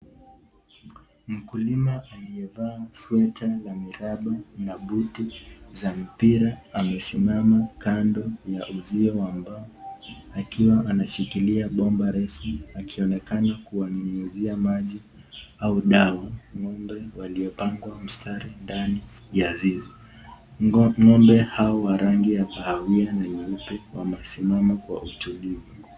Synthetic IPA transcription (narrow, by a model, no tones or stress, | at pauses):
m̩kulimaʔaliɛvaːswɛtajamiɾaɓanaɓutizam̩piɾaamɛsimamakʰandɔjaʔuziɔambaɔakiwaʔanaʃikiliaɓɔmbaɾɛfuakʰiɔnɛkanakuwanuŋuziamaʄi | auɗawaŋɔmbɛwaliɔpaŋɡwam̩stʰaɾindani | jazizɔ | ŋɔmbɛhaɔwaɾaŋɡiapahawianaɲiupɛwamɛsimamakwa̰ʔutulivu